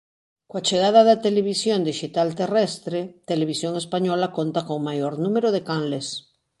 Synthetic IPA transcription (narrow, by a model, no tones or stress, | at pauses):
kwat͡ʃeɣaðaðat̪eleβ̞isjond̪iʃit̪alt̪erɛst̪ɾet̪eleβ̞isjoŋespaɲolakont̪akoŋmajoɾnũmeɾoðekanles